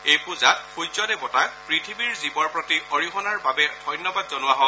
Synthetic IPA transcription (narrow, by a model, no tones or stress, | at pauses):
ejpʊzatxujzɔdɛbɔtapɹitʰibiɹzibɔɹpɹɔtiɔɹixɔnaɹbabɛdʱɔjnːɔbadzɔnʊwaɦɔ